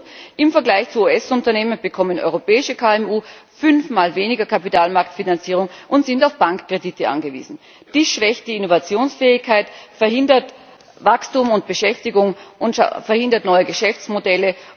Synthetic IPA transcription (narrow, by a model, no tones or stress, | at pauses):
ʔɪmfɛɐɡlaɪçt͡suuːɛsʊntɐneːmənb̥əkʰɔmənʔɔ̰ʏʁopɛːɪʃəkʰaɛmuːfʏnfmaːlveːnɪɡɐkʰapitaːlmaɐktfinant͡siːʁ̞ʊŋʔʊntz̥ɪntaʊfb̥aŋkkːʁ̥editəʔa̰nɡəvḭːzn̩ | d̥iːsʃv̥ɛçt̚d̥iɪnovat͡sjoːnsfɛːɪçkʰaɪtfɛɐhɪndɐt | vakstumʊnt̚b̥əʃɛftɪɡʊŋʔʊn̰fɛɐhɪndɐtnɔʏəɡəʃɛft͡smodɛlə